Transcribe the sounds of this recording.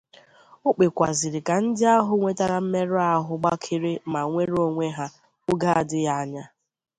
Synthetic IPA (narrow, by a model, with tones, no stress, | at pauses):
ʊ˦k͡pe˨kʷa˨zɪ˨ɾɪ˨ka˨n̩˦dɪ˦a˦ɦʊ˨ŋʷe˦ta˦ɾa˨m̩˦me˦ɾʊ˦a˦ɦʊ˨ɡ͡ba˦kʰɪ˦ɾɪ˦ma˨ŋʷe˦ɾo˦ŋʷe˦ɦa˦ | ʊ˦ɡa˦a˨dɪ˦ja˦a˦˨ɲa˦